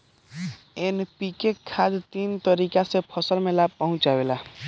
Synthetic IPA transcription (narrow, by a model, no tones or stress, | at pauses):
enpikekʰːad̪t̪iːnt̪əɾikasepʰəsəlmẽlapəɦʊ̃t͡ʃawela